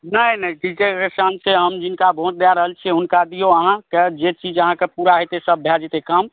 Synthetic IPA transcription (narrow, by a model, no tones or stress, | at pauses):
nəjnəikit̪ekesanseɦəmd͡ʒinkabʱõt͡ʃd̪aɾəɦəlt͡ʃʰɛɦunkad̪ijoəɦãked͡ʒet͡ʃid͡ʒəɦãkepuɾaɦot̪esəbːʱɛd͡ʒet̪ekəm